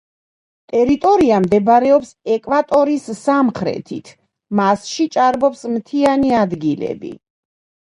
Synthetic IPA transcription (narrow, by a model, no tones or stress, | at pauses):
t̪ʼɛɾit̪ʼɔɾiamd̪ɛbɾɛɔpsɛkʼvat̪ʼɔɾisːamχɾɛ̰t̪ʰḭt̪ʰ | masʃit͡ʃʼaɾbɔpsmt̪ʰianiad̪ɡilɛ̰bḭ